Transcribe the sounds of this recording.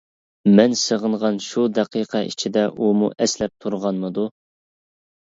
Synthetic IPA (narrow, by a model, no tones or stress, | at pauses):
mɛnsəʁəɴʁɑnʃud̪ɛqʰiqʰɑʔḭt͡ʃʰid̪ɛʔumṵʔɛslɛp̚t̪ʰuɾʁɑnmɨd̪u